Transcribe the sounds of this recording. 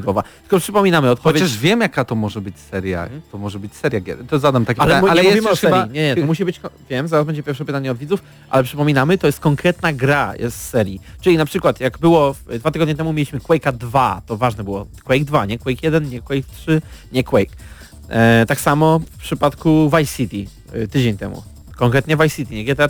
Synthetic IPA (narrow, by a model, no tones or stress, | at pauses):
ɔvatt̪ɘ̥kɔpʂɘpɔmʲinamɘɔt̪̚pɔvjet͡ɕaʂvʲjɛmjakat̪ɔmɔʐɛbɘt͡ɕsɛɾʲja̰t̪ɔmɔʐɛbɘt͡ɕsɛɾjaɡʲɛ̰t̪ɔzad̪amt̪akʲepaalɛaɲmalɛjuɛvixsɛbaiɲɛɲɛt̪ɔmuɕ̬ibɘt͡ɕvʲjɛmzaɾazbɛɲd͡ʑɛpʲjɛɾfʂɛpɘt̪aɲɛɔd̪vʲidzuf | ʔa̰lɛpʂɘpɔmʲinamɘt̪ɔjɛst̪̚kɔŋkɾɛt̪naɡɾajʔɛ̰st̪sɛɾʲjit͡ʂɘlʲinapʂɘkwat̪jaɡbɘwɔfd̪vat̪ɘɡɔd̪ɲɛt̪ɛmumʲelʲiɕmɘkwɛjkad̪vat̪ɔvaʐnɛbɘwɔ̰kwɛjɡ̚d̪vaɲɛkwɛjkjɛd̪ɛnɲɛkwɛjkt̪ʂɘɲɛkwɛjk | t̪aksamɔfpʂɘpat̪kuvajsʲit̪ʲi | t̪ɘd͡ʑeɲt̪ɛmṵ | kɔŋkɾɛt̪̚ɲɛvajsʲit̪ʲiɲɛɡʲjɛt̪ɛ